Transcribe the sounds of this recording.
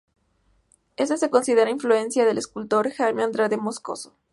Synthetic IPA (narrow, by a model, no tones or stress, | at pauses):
e̞s̬ese̞ko̞nsiðe̞ɾainflue̞nsjaðe̞le̞skult̪o̞ɾxajmãnd̪ɾaðemo̞sko̞̰so̥